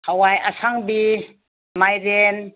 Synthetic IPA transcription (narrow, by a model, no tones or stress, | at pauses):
hawajasaŋbi | majɾen